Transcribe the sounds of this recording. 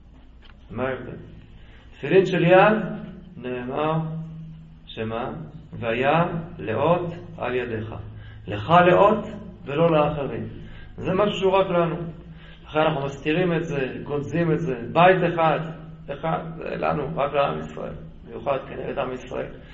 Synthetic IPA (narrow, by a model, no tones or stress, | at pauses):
maed̪ḛ | t̪filinʃe̞ljad̪ne̞ːmaʁ | ʃemaveajamlḛʔo̞t̪a̰ljad̪e̞χa̰leχale̞ʔo̞t̪ve̞lo̞leaχeʁim | zemaʃu̥ʃuʁaklanu | laχe̞nanaχnumastiʁime̞tze̞ɡo̞zime̞tze̞bajt̪eχad̪ | eχadzḛla̰nuʁaklea̰misʁa̰ʔe̞̰l | mejuχad̪keneɡetamisʁa̰ʔe̞̰l